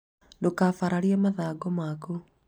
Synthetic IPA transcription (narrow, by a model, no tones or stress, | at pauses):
ndokafaɾaɾiamaðaɡɔmaku